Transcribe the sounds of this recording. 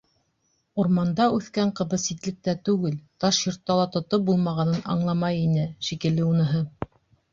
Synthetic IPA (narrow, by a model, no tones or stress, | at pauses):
uɾmɑnd̪ɑʉθkæɴqɤ̆βɤsit̪lɘ̆k̚t̪æt̪ʉɡɘlt̪ɑʃjŏɾt̪ːɑlˠɑt̪ŏt̪op̚bulˠmɑʁɑnɤnʔɑ̰ɴlˠɑmɑjinɘʃikɘ̆lːɘunɤ̆ɦɤ